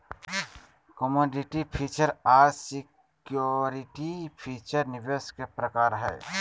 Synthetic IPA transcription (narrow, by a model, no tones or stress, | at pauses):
kɔmoːɖɪʈipʰiːt͡ʃəɾaːɾsɪk | joɾiʈipʰiːt͡ʃəɾnɪʋeskepɾəkaːɾɦɛː